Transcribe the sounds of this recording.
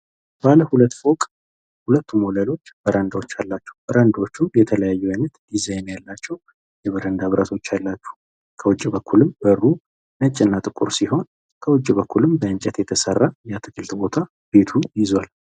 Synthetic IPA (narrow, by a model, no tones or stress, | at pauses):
baləhulət̪ːfokʼ | hulət̪ːumoləlo̞t͡ʃːb̥əɾʔand̪awot͡ʃːalːat͡ʃːɛ̥wbəɾand̪ot͡ʃːujɛt̪ʰələjajːujajnːət̪d̪izajnjalːat͡ʃːɛw | jɛβəɾənd̪aβɾət̪ʰo̞t͡ʃːalːat͡ʃːu̥ | kʰəwɔd͡ʒːibəkʰːulɨmbərːu | nət͡ʃʼːɪnːat̪ʼɨkʼṵɾsiho̞n | kʰəwɔd͡ʒːbəkʰʷːulɨmbəɨnt͡ʃʼɛt̪jɛt̪ʰəsərːajat̪ʰɨkʰɨlt̪bo̞t̪ʰa | b̥e̞t̪ʰujɪzwal